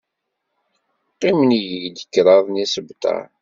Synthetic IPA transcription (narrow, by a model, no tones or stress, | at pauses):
qːimənjəʝd̪əkːɾˤɑðˤnisəbt̪ˤɑ̰